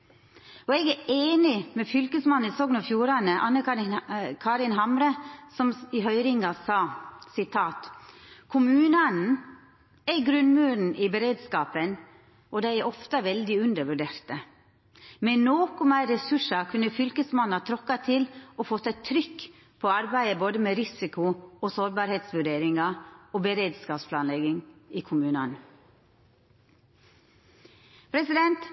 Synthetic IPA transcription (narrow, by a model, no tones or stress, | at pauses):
ɔɛɡæeːnɪmɛfʏlkəsmɑnːɪsɔɡnɔfjuːɾɑnəʔɑ̰nːə | kʰɑɾɪnɦɑmɾəsɔmɪɦœʏɾɪŋɑsɑːsɪt̪ʰɑːt̪kʰʊmʉːnənn̩ | ɛɾɡɾʉnmʉːɾn̩ʔɪbəɾeːd̪skɑːpən | ʔɔd̪æɪæɾʔɔft̪əʋɛld̪ɪʉnd̪əʋʉɖeːɾt̪ə | mɛnnoːkʊmæɪɾɛsʉʂɑkʰʉnːəfʏlkəsmɑnːɑt̪ʰɾɔkːɑt̪ʰɪloːfoːt̪ʰɑt̪ʰːɾʏkː | pʰɔɑɾbæɪəboːd̪əmeːɾɪsɪkʊosoːɾbɑːɾheːt̪sʋʉɖeːɾɪŋɑoːbəɾeːd̪skɑːpspʰlɑːnlɛɡɪŋiːkʰʊmʉːnɑn | pʰɾɛsɪd̪ɛnt̪